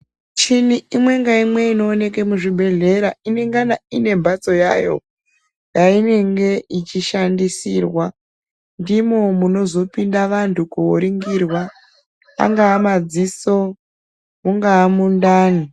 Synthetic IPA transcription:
t͡ʃiniimwe̞ŋɡaimwe̞ino̞ːne̞kemuʐiɓʱe̞ɮe̞ɾaine̞ŋɡanaine̞mbat͡so̞ja̰ːjo̞̰ | jaine̞ŋɡe̞it͡ʃiʃandisirwa | ndimo̞muno̞zo̞pindaʋantʰukuoɾiŋɡirwa | a̰ŋɡaːmad͡ziso̞ | muŋɡaːmundaːni

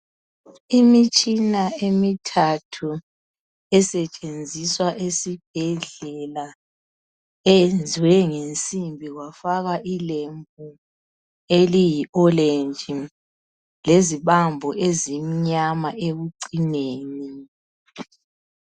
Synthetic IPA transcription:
imit͡ʃʼinaemitʰatʰu | ɛsɛt͡ʃʼend͡zʱiswaʔesib̥̚ʱɛɮɛla | ɛjend͡zʱwɛŋent͡sʼimbʱiɣwafaɣaʔilembʱu | elijiɔlend͡ʒʱi | leziβambʱɔʔezim̩ɲamaʔeβuǀineːni

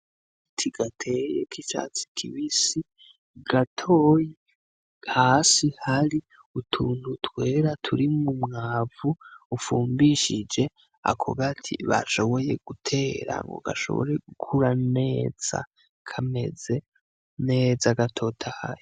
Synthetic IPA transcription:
tʰiɡ̥atʰe̞jḛkit͡ʃa̰t͡si̥kʰiβisi | ɡ̥atʰoːji | hasihaɾi | utʰuːnhutwe̞ːɾatʰuɾimumŋaːvuːfuːmbiʃid͡ʒe̞ | a̰kʰo̰βatʰḭβa̰ʃo̞βo̞je̞̰ɡ̥utʰe̞ːɾa̰ŋɡo̞̰ɡa̰ʃo̞̰βo̰ɾe̞ɡukʰuɾane̞ːz̥a̰ | kʰame̞̰ze̞ | ne̞ːzaɡatʰo̞tʰaha̰ɾi

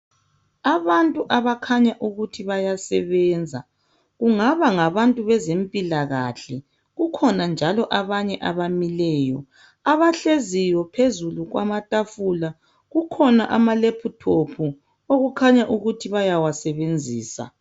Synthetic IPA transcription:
aβantʼuʔaβakʰaɲaʔuɣutʰiβajasɛβɛːnd͡zʱa | ɣuŋaβaŋaβantʼuβɛzempʼilaɣa̰ɬɛ | ɣukʰɔnand͡ʒʱalɔʔaβaɲɛʔaβamilɛːjɔ | aβaɬezijɔpʰezuluɣwa̰matʼafula | ɣukʰɔnaʔamalepʰutʰopʰu | oɣukʰaɲaʔuɣutʰiβajawasɛβend͡zʱiːsa̰

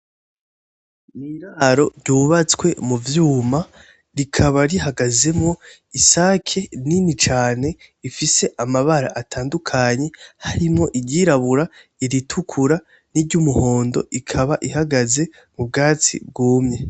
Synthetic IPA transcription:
niɾaɾo̞ɾɟuːβat͡skwe̞muvjuːma | ɾikʰaβaɾiɦaɡaze̞mŋo̞ | isaːkʰe̞ninit͡ʃaːne̞ | ifise̞ʔamaβaɾaʔatʰaːndukʰaɲe̞haɾimŋo̞ʔiɟiːɾaβuɾa | iɾitʰukʰuɾa | niɾɟumuho̞ːndo̞̰ʔikʰaβaʔihaɡaze̞ | mubɡaːt͡sḭb̚ɡuːmɲe̞

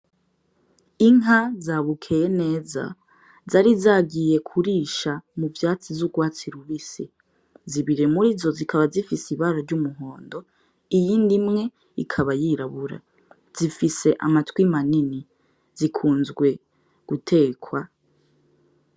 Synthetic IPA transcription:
iŋɦazaːβukʰe̞jene̞ːza̰ | zaɾizaːɡije̞kʰuɾiːʃamuvjaːt͡sivzuɡwaːt͡siɾuβisi | ziβiɾe̞muɾizo̞zikʰaβazifisiβaɾoɾɟumuɦo̞ːndo̞ | ijiːndimŋe̞ | ikʰaβajiɾaβuɾa̰ | z̥ifise̞ʔa̰matwimanini | zikʰuːnzɡwe̞ | ɡ̥utʰe̞ːkwa

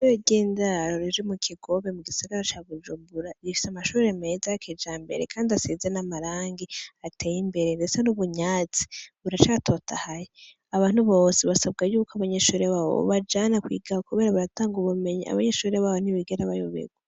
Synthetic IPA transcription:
eeɟeːndaɾoɾiʒwimukʰiɡo̞βemuɡisaɡaɾat͡ʃaβud͡ʒuːmbuɾaβifi̥samaʃuːɾeme̞zaked͡ʒaːmbe̞̰ɾḛkʰaːndiaseːzenamaɾaːŋɡiatʰeːjimbe̞ɾendet͡senuβuɲaːt͡si̥βuɾat͡ʃatʰo̞tʰahaje | aβaːn̥huβo̞ːseβasaβɡajuːkoaβaɲeʃuːɾeβaβo̰βad͡ʒanakwḭːɡaokuβe̞ːɾaβaɾataːŋɡuβume̞ɲḭa̰βaɲeʃuːɾeβaβoniβiɡeɾaβajo̰βḛɡwa

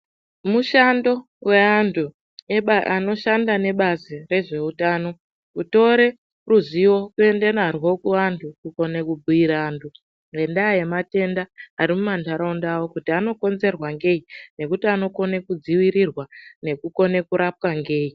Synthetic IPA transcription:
muʃando̞ | we̞antʰu | ano̞ʃandane̞ɓazire̞ʐe̞utaːno̞ | uto̞ɾe̞ | ruziwo̞kue̞nde̞narwo̞kuantʰukuko̞nekubʱuiɾaːntʰu | ŋe̞ndaje̞mate̞ndaːɾimumantʰaɾaundawo̞kutiano̞ko̞nze̞rwaŋɡe̞ine̞kutiano̞ko̞ne̞kud͡ziwiɾirwane̞kuko̞ne̞kuɾʔap̚kaŋɡe̞ːi

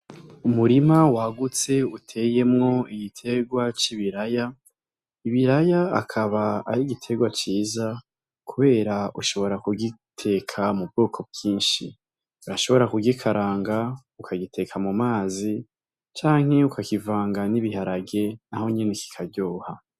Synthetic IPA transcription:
umuɾimawaɡut͡se̞utʰe̞je̞mŋo̞iɡitʰe̞ɡwat͡ʃiβiɾaja | iβiɾaja̰ːkʰaβaːɾiɡitʰe̞ɡwat͡ʃiːza | kuβe̞ːɾaʔuʃo̞βo̞ɾakuɡitʰe̞kʰamub̚ɡoːkʰo̞b̚ɡiːnʃḭ | uɾaʃo̞βo̞ɾakuɡikʰaɾaːŋɡa | ukʰaɡitʰe̞kʰamumaːzi | t͡ʃaːŋ̥he̞ukakivaːŋɡaniβihaɾaɡe̞naho̞ɲeneki̥kʰaɟoːha

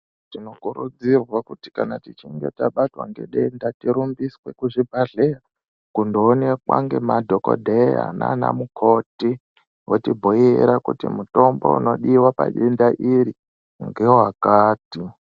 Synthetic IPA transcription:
tino̞kuɾud͡zirwakuti̥kanatit͡ʃiŋɡe̞̰taɓatwa̰ŋɡe̞̰ɗendatiɾumbiswe̞kuʐibʱaɮera | kundoːnekwa̰ŋɡe̞madʱoko̰dʱea̰nana̰mukʰo̞ti | wotibʱoiɾakutimuto̞mbo̞̰ṵno̞ɗiwapa̰ɗendaʔiɾi | ŋɡeoɦakaːti

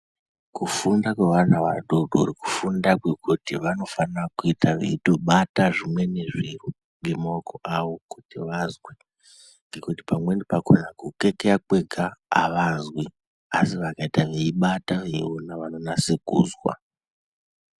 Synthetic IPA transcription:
kufundakwe̞ʋan̤aʋa̰ɗodʱoɾiku̥fundakwe̞kutiʋano̞fanrakuitʰaʋḛitoɓataʐimwe̞ne̞ʐiru | ŋɡe̞maokʰo̞ʔawokutiʋazwi | ŋɡe̞kuti̥pamwe̞ndipakonakuke̞keakwe̞ɡʱa̰ːʋazwi | asiʋakaitaʋeiɓataʋe̞ḭonaʋanonasekṵːzwa̰

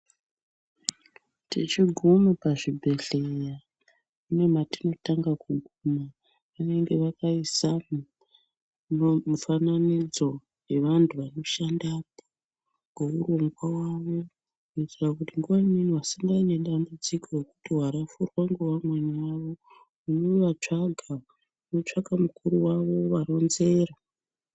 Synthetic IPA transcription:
tit͡ʃiɡʱumopaʐibʱe̞ɬe̞ja | une̞matino̞taŋɡakuɡʱuma | ʋane̞ŋɡe̞ʋakaisam | mufananid͡zo̞ | we̞ʋantʰuʋano̞ʃandap̚o̥ | ɡe̞uro̞ŋɡwawaʋo̞ | kuitirakutiŋɡuʋaimun̤uasiŋɡaine̞ɗambud͡ziko̞re̞kutiɦaɾafurwaŋɡewamweɲaaʋo̞ | uno̞ʋat͡ʂaɡʱa | uno̞t͡ʂaɡamukʰuɾuwaʋo̞ʋaɾo̞nze̞ːra

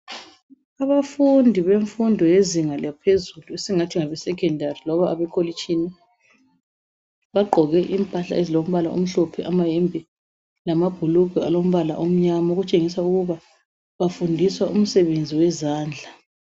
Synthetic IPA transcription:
aβafundʱiβeɱfundʱɔjeziŋaljapʰezuluesiŋatʰiŋaβɛsɛkʰʼɛndʱarilɔβaβɛkʰolit͡ʃʼini | βaɡ͡ǃʱɔɣɛʔimpʼaɬa̰ezilom̩βalao̰m̩ɬɔpʰɛʔamaɦɛmbʱi | lamab̥ʱuluɣʱualom̩βala̰ʔom̩ɲamaoɣut͡ʃʼeŋisauɣuβa | βafundʱiswaʔum̩sɛβend͡zʱiwɛzaːnd͡ɮʱa

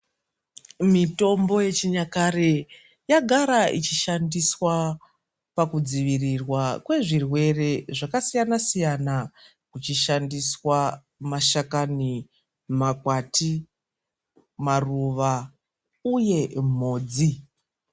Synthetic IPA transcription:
mito̞mbo̞je̞t͡ʃiɲakare | jaɡʱaɾait͡ʃiʃandiswa | pakud͡ziʋirirwakwe̞ʐirwe̞re̞ʐakasijanasijana | kut͡ʃiʃandiswa | maʃakani | makwati | maruʋa | uje̞m̤o̞ːd͡zi

